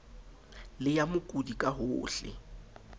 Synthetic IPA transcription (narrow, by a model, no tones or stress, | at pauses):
lɪjamʊkʼudikʼaɦʊːɬɪ̰